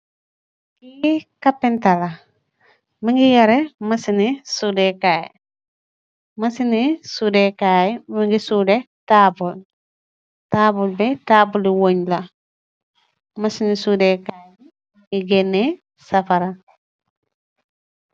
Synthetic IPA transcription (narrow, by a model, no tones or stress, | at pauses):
kikapːintala | maŋɡijɐɾemasinisudekaːj | masinisudekajmaŋɡisude | taːbul | taːbulbɛtaːbuliwoɲla | masinisudekaj | iɡenːe | sɐfaɾa